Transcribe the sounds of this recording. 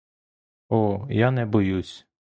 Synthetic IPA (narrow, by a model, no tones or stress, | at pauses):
ɔjanɛbɔjusʲ